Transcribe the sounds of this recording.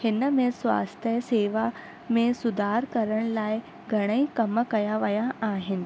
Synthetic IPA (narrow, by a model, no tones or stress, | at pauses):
hɪnəmẽswa̰ːst̪ʰjəseːʋa | mẽsʊd̪ʱaːɾkɐɾəɽ̃laːɪ | ɡʱɐɽ̃əikɐməkɐjaʋɐjaaːɦɪnɪ̆